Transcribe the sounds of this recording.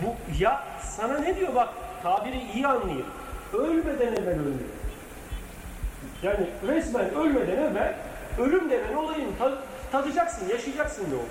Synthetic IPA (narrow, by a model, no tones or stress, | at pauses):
buja | sananed̪ijo̞bakt̪ʰaːbiɾiːjianlˠajɯ̰m | ølʲmed̪ænɛvænølʲmḛj | jaːniɾɛsmænølʲmed̪ænɛvæn | ø̞lʲymd̪evæno̞lˠajɯnt̪ʰa | t̪ʰat̪ʰɯd͡ʒaksɯnjaʃɯd͡ʒaksɯnjo̰